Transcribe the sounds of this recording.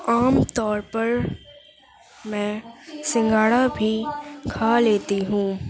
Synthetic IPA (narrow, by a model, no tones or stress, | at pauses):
aːmt̪ɔːɾpɐɾ | mɛ̃ːsɪ̃ŋɡaːɽabʱikʰaːleːt̪iɦũː